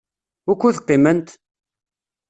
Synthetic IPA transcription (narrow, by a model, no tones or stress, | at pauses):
ʊkʷːuθqːimənt̪